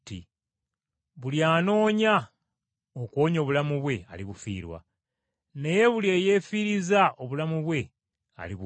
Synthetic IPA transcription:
tḭ | βuljaːno̞ːɲa | okwoːɲo̞ːβulamuβwe̞a̰liβufḭːɾwa̰ | ne̞je̞βulje̞ːje̞ːfiɾizao̞βulamuβwe̞ | a̰liβu

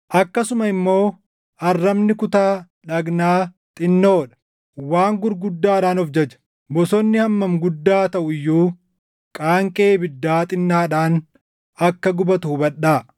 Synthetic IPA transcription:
ʔɐkːɐsʊmɐɪmːo̞ː | ɐrːɐmnɪkʊt̪aː | ᶑɐɡnaː | t̪ʼɪnːoːᶑɐ̥ | waːŋɡʊɾɡʊd̪ːaːᶑaːnɔfd͡ʒɛd͡ʒɐ̥ | bɔsɔnːɪhɐmːɐmɡʊd̪ːaːt̪ɐʔʊɪjːuː | kʼaːŋkʼeːbɪd̪ːaːt̪ʼɪnːaːᶑaːn | ɐkːɐɡʊbɐt̪uhbɐᶑːaː

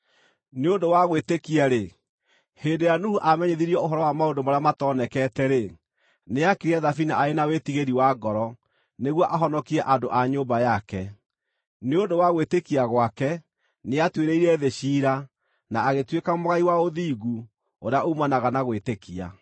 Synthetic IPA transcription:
neondowaɣwetekiaɾe | hendejanuhuʔamɛɲeðiɾiɔoɦɔɾɔwamaondomaɾeamatɔnɛkɛːtɛɾe | neakiɾiɛðafinaʔaenawetiɣeɾiwaɡɔɾɔ | neɣwɔʔaɦɔnɔkiɾɛʔadoʔaɲoːmbajakɛ | neondowaɣwetekiaɣwakɛ | neatweɾeiɾɛðeɕiːɾa | naːɣetwekamoɣaiwaoðiːɣu | oɾeaʔomanaɣanaɣwetekia̰

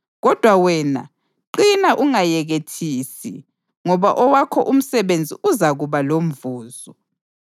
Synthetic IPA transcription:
ɣɔd̥ʱwawɛːna̰ | ǃinaʔuŋajɛɣetʰiːsḭ | ŋɔβa̰ʔɔwakʰɔʔum̩sɛβend͡zʱḭʔuzaɣuβalom̩vuːzɔ

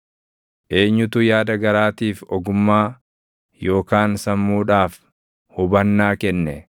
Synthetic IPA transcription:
ʔe̞ːɲːʊt̪ʊjaːd̪ɐɡɐɾaːt̪iːfɔɡʊmːaː | jo̞ːkaːnsɐmːuːᶑaːf | hʊbɐnːaːkɛnːɛ

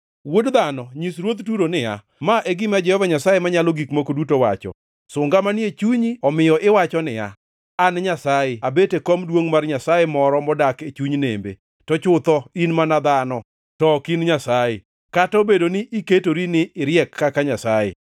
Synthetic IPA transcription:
wodd̪anɔɲisɾwot̪tuɾonɪja̰ | maʔeɡɪmad͡ʒɛhɔvaɲasajemaɲalɔɡikmokodutowa̰t͡ʃɔ̰ | sʊŋɡamaniet͡ʃuɲiɔmɪjɔʔɪwat͡ʃɔnɪja̰ː | nɲasajeabetekɔmdwoŋmarɲasajemɔɾɔmɔdaket͡ʃuɲnḛmbḛ | tɔt͡ʃʊt̪ɔinmanad̪anɔ | tɔkinɲasaje | katɔbedonɪʔiketoɾinɪɪɾjɛkːakaɲasajḛ

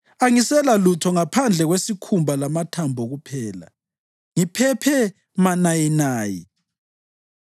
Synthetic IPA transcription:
aŋisɛlalutʰɔŋapʰand͡ɮʱɛɣwesikʰumbʱalamatʰambʱɔɣupʰɛːla̰ | ŋipʰɛpʰɛ | manajinaːjḭ

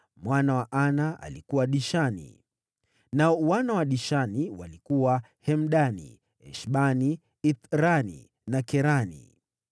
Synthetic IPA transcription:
mwanawaʔanaa̰likuwaɗiʃanḭ | naɔuwanawaɗiʃaniwa̰likuwa | hɛm̩ɗanḭ | ɛ̰ʃɓani | it̪ɾanḭ | nakɛɾanḭ

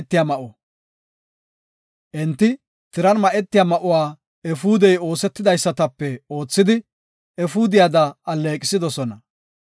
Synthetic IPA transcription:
t̪ːɪjaːmɐʔo | ʔɛnt̪ːɪ | t̪ɪɾɐnmɐʔɛt̪ːɪjaːmɐʔʊwaː | ɛfuːd̪ɛjo̞ːsɛt̪ːɪd̪ɐjsːɐt̪ɐpːɛo̞ːt͡sːɪd̪ɪ | ɛfuːd̪ɪjad̪ɐɐlːeːkʼɪsɪd̪ɔsɔnɐ

